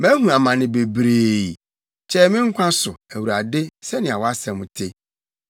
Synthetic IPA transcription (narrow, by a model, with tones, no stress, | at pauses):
mæ̃˦hũ˨a˨mã˨nɪ̃˨be˨bɾeː˨ | t͡ɕʰɛ˦mɪ̃˦ŋ̩˦kʷʰã˦sʊ˨æ˨wu˨ɾa˨dɪ˦sɛ˦nɪ̃˨a˨wɔ˦a˦sɛ̃˨m˨tʰe˦